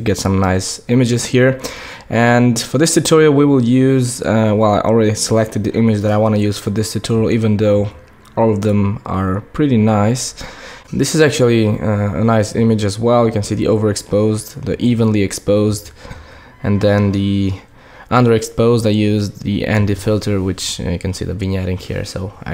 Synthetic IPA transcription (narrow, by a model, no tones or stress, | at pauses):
ɡɛtsʌ̃mnaɪsɪ̃mɨd͡ʒɨz̥hiɹ | ʔɨ̃nfə˞ðɪstɨtʰɔɹil̩ˠwiwɪlˠjʉzwɛlˠaɪʔl̩ˠɹɛɾisəlɛk̚tɨd̪̚ðiʔɪ̃mɨd͡ʒðɨɾaɪwɑ̃ñɨjʉz̥fə˞ðɪstʰɨtʰɔɹil̩ˠivɨ̃nðoʊ | ɔlˠʌvðə̃mə̰˞pʰɹ̥ɪɾinaɪs | ðɪsɨzæk̚t͡ʃul̩ˠiə̰naɪsɪ̰̃mɨd͡ʒɨzwɛlˠjɨkɨ̃nsiðḭʔoʊvə˞ɨkspoʊzdðiʔivə̃nliɨkspoʊzd | ɨ̃nðɨ̃nði | ʔʌ̃ndə˞ɨkspoʊzdaɪjʉzðḭɛ̰̃ndɨfɪlˠtʰə˞wɨt͡ʃjɨkʰɨ̃n̩sḭðɨvɨ̃njæɾɪ̃ŋkʰɛ̰ɹsoʊa̰ɪ